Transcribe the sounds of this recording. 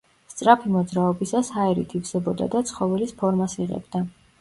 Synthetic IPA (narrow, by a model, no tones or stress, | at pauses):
st̪sʼɾapʰimɔd̪zɾaɔbisashaɛɾḭt̪ʰivzɛbɔd̪a̰d̪at̪sʰχɔvɛlispʰɔɾmasiʁɛ̰bd̪a